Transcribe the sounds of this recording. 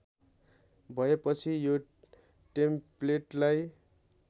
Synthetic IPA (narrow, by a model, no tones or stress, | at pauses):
bʱʌepʌt͡sʰijo | ʈempleʈlaj